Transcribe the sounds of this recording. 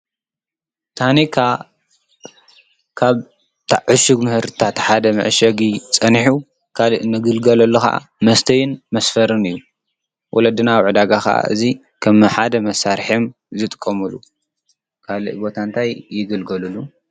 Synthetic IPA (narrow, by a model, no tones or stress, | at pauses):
t̪ʰanikʰa | kʰaβ | t̪ʰaʕʊʃuɡmɨhɨɾt̪ʰat̪ħad̪ɐmɐ̰ʕʃɐɡit͡sʼɐniħu | kʰaliʔnɨɡɨlɡɐlɐlːuxa̰ʔa̰mɐst̪ʰɐjɪnmɐsfɐɾɨnɨjːu | wʔɔlɐd̪ɨnawʕɨd̪aɡakɐ̰ʔa̰ʔɨ̰zi | kʰɐmɨħad̪ɐmɐsːaɾħem | zɨt̪ʼɨ̥kʼːɐmɨlu | kʰalḭʔbo̞t̪ʰant̪ʰajːɪɡɨlɡɐlɨlːu